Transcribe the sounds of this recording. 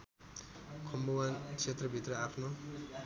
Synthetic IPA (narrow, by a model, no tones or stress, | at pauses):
kʰʌmbowant͡sʰet̪rʌbʱit̪rʌapʰnʌ